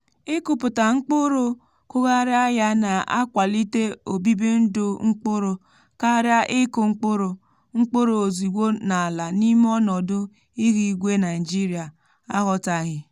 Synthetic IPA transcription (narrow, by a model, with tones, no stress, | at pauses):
ɪ˦kʊ˨pʊ˨ta˨ŋ͡m̩˦k͡pʊ˦ɾo˦ | kʊ˦ɣa˦ɾja˦ja˦na˨a̰˦kʷa˨li˦te˦o˨bi˦bi˦n̩˦dʊ˦ŋ͡m̩˦k͡pʊ˦ɾo˨ | ka˦ɾja˦ʔɪ˦kʊ˨ŋ͡m̩˦k͡pʊ˦ɾo˨ | ŋ͡m̩˦k͡po˦ɾo˨o˨zi˨ɡo˦na˨a˨la˨ni˦m˦ɔ˦nɔ˨dʊ˦ | i˦ɣi˦ɡʷe˦na˨i˨d͡ʒi˦ɾi˨a˨ | a˦ɦɔ˨ta˨ɦɪ˨